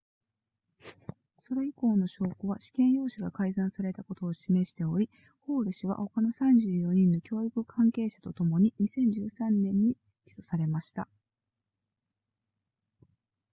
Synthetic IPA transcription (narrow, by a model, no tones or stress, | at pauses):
so̞ɾeiko̞ːno̞ɕo̞ːkoβaɕi̥kẽ̞ɰ̃jo̞ːɕiɡakaizãɰ̃saɾe̞t̪ako̞t̪o̞ːɕime̞ɕi̥t̪e̞o̞ɾʲi | ho̞ːɾɯ̟ɕiβa̰ho̞kano̞sãɲ̟d͡ʑɨːjo̞ɲ̟ĩnːo̞kʲo̞ːikɯ̟kʰãŋke̞ːɕḁt̪o̞t̪o̞mo̞ɲ̟iɲ̟isẽ̞ɲ̟d͡ʑɨːsãnːẽ̞ɲ̟ːi | kʲi̥so̞saɾe̞maɕi̥t̪a̰